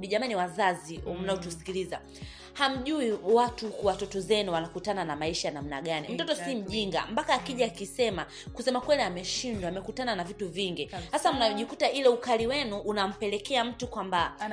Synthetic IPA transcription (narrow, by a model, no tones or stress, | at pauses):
ɗiʄamaniwazaziɔm̩naɔtusi̥kiliza̰ | ham̩ʄuiwatukwatɔtɔzɛnuwanakutananamaiʃajanam̩naɠanim̩tɔtɔsim̩ʄiŋɡa̰mpakaːkiʄaːkisɛma | kusɛmakwɛliamɛʃindwamɛkutananavituviŋɡihasam̩naɔʄikutaʔilɛukaliwɛnuʔːnam̩pɛlɛkɛam̩tukwamba